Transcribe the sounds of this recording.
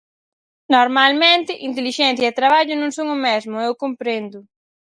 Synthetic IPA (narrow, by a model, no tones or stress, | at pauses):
noɾmalmẽnt̪ɪʔint̪eliʃɛnθjɛt̪ɾaβaʎʊnõŋsoŋʊmɛzmʊewkompɾend̪ʊ